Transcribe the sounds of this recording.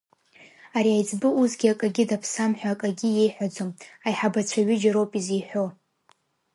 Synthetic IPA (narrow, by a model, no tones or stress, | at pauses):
aɾiajd͡zbɨuzɡʲiakʼaɡʲɪdapʰsamħʷᶣaːkʼaɡʲije̞jħʷᶣad͡zomajħabat͡ɕʷʰaɥɪd͡ʒaɾo̞wpʼizijħʷᶣo